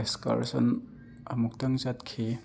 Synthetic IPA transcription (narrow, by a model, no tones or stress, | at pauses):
eska̰ɾsɐ̰n | ɐmuk̚tɐŋt͡ʃat̚kʰi